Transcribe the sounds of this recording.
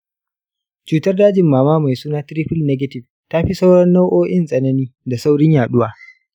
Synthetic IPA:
t͡ʃuː˨tɐ˦rdaː˦d͡ʒɪ˨mːaː˨maː˦ma˨jsuː˦naː˦tɪ˦ɾiː˦ɸɪ˦lnɛ˦ɡɐ˦tɪ˨ɸ | ta˦ɸi˦sa˦wɽɐ˦nːa˦wʔoː˦ʔɪ˦nsʼɐ˨nɐ˦niː˦da˨sa˦wɽɪ˦ɲjaː˨ɗʊ˦waː˨

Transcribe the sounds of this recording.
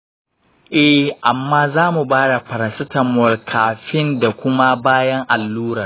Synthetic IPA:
ʔɛ˦ʔa˨mːaː˦zaː˦mu˨baː˦da˨ɸɐ˨ɾɐ˨nsɐ˦tɐ˨mɔ˨rkʰaː˨ɸɪ˦nda˨kʷʊ˦ma˦baː˦jɐ˦ŋʔa˨lːuː˦ɾɐ˨r

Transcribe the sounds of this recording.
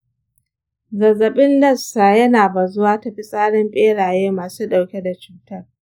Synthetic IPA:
zɐ˨zɐ˨ɓɪ˦ndɐ˦staː˨jɐ˦naː˨ba˨zʊ˦waː˦tɐ˨ɸi˦sʼaː˦ɽɪ˦mɸʼeː˦ɽaː˨jeː˦maː˨suː˦ɗa˨wkʲe˦da˨t͡ʃuː˨tɐ˦r

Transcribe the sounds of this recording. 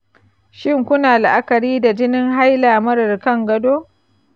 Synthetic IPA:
ʃɪ˦ŋkʷʊ˦naː˨la˨ʔa˦kɐ˨ɾiː˦da˨d͡ʒɪ˦nɪ˦ŋɦa˦jlaː˨mɐ˦ɽɐ˨rkɐ˦˨ŋɡɐ˦doː˦

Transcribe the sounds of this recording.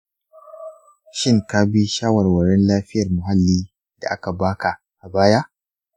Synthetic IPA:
ʃɪ˦ŋka˦bi˦ʃaː˦wɐ˨rwɐ˨ɾɛ˦nlaː˦ɸɪ˦jɐ˨rmʊ˨ɦa˦lːiː˦ | da̰˨ʔa˦ka˨baː˦ka˨ | ʔa˨baː˦ja˦ʔ

